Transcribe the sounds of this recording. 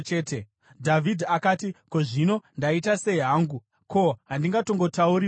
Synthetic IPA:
t͡ʃeːte | dʱavʱidʱiakaːtiko̞ʐino̞ndaitase̞iɦaːŋɡu | ko̞ɦandiŋɡato̞ŋɡo̞tauɾi

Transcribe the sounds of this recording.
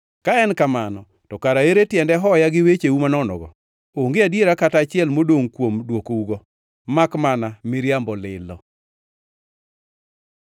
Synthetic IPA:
kaɛnkamanɔ | tɔkaɾaeɾetjɛndɛɦɔjaɡɪwet͡ʃeumanɔnɔ̰ɡɔ̰ | oŋɡeadjeɾakatat͡ʃɪɛlmodoŋkwomdwokouɡɔ | makmanamɪɾjambɔlɪ̰lɔ

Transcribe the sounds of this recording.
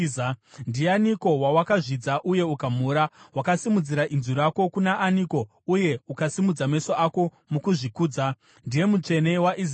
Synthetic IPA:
ndijaniko̞wawakaʐid͡zaʔuje̞ukam̤uɾawakasimud͡ziɾaʔinzuɾako̞kunaʔːniko̞ | uje̞ukasimud͡zame̞soʔako̞ | mukuʐikuːd͡za | ndije̞mut͡ʂe̞ne̞waʔiz

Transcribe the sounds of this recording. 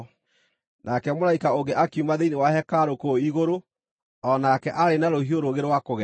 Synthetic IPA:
nʔakɛmoɾaikaoɡeʔakiumaðeinewahɛkaɾokoiɣoɾo | ɔnakɛʔaɾenaɾohioɾoɣeɾwakoɣɛ

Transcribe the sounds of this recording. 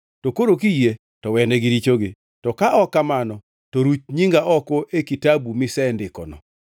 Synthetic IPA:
tokoɾok̬ije | tɔwɛnɛɡɪɾit͡ʃoɡɪ | tɔkaʔɔkamanɔ | tɔɾut͡ʃɲiŋɡaʔɔkoʔekitabumɪsɛndɪkɔnɔ̰

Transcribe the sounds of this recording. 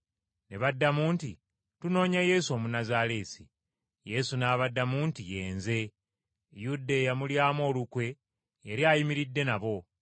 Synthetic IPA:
ne̞βadːamuːnti | tuno̞ːɲaje̞ːsuo̞ːmunazale̞ːsi | je̞sunaːβadːamuːntije̞ːnze̞ | judːejamuljaːmo̞ːlukwe̞ː | ɾjajimiɾidːe̞naβo̞

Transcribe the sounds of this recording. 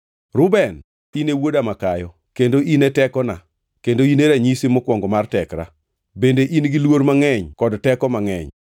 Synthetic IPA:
ɾʊbɛn | inewodamakajɔ | kendoinetɛkɔna̰ | kendoineɾaɲisimɔkwɔŋɡɔmartɛkɾa̰ | bendeʔinɡilwoɾmaŋɛɲkɔdtɛkɔmaŋɛ̰ɲ

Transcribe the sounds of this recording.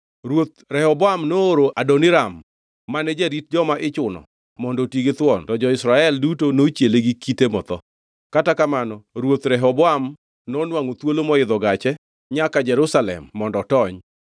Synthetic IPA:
ɾwot̪̚ɾɛhɔbɔamnooɾoʔadɔnɪɾamː | anɛd͡ʒɛɾit̚d͡ʒɔmaʔɪt͡ʃʊnɔ̰ | mɔndɔtiɡet̪wɔntɔd͡ʒɔɪsɾaɛldutonot͡ʃjeleɡikitemɔt̪ɔ | katakamanɔɾwot̪ɾɛɦɔbɔam | nɔnwaŋot̪wolomɔɪd̪ɔɡat͡ʃɛ | ɲakad͡ʒɛɾʊsalɛ̰mːɔndɔtɔɲ

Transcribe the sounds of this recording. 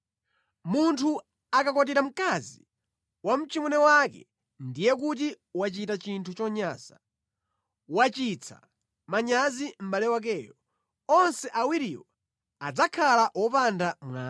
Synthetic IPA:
muntʰu | akakɔt̬iɾam̩kazi | wam̩t͡ʃimɛnɛwakɛ̰ | ndijɛkut̬i | wat͡ʃitat͡ʃintʰut͡ʃɔɲaːza | wat͡ʃit͡sʰa̰ | maɲazim̩balɛwak̬ɛːjɔ | ɔnsɛʔawiɾijɔ | ad͡zakʰalaʔɔpandamwaː

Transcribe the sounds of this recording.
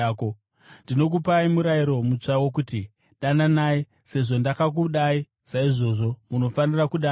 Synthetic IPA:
ko | ndino̞k̬upaimuɾaiɾo̞mut͡ʂawok̬uti | ɗananai | se̞ʐo̞ndakak̬uɗai | saiʐo̞ːʐo̞muno̞fanirakuɗa

